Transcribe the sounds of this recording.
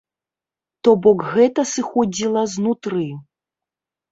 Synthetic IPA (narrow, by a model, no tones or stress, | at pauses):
t̪ɔbɔkɣɛt̪ɐsɨxɔd͡zʲilˠɐznut̪ɾɨ